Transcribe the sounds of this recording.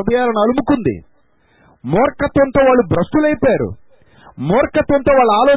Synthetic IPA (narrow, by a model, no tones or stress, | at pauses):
ɐd̪ɐjaːɾɐɳaːlumukːund̪ḭ | mɔːɾɐkɐt̪ʋɐnt̪o̞ːʋaːɭːubɾɐsʈulɐjpaːɾṵ | mɔːɾɐkɐt̪ʋɐnt̪o̞ːʋaːɭːɐaːloː